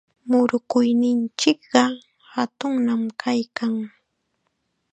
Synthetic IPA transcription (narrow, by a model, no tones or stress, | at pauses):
mʊɾʊkʊjnɪnt͡ʃɪkɢɑ | hat̪ʊŋnamkʰajkaŋ